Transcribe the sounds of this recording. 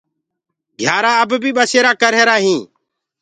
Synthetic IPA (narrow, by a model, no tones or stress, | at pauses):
ɡʱjaːɾaːəbbʱiːɓəseːɾaːkəɾɦeːɾaːɦĩː